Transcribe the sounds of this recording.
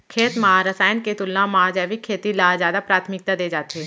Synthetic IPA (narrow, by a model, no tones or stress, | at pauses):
kʰeːt̪maɦaɾəsaːjənket̪ʊlnãmaad͡ʒaːʋikʰːeːt̪ilaːzjaːd̪apɾaːt̪ʰmɪk̚t̪ad̪eːd͡ʒaːt̪eɦɛ̃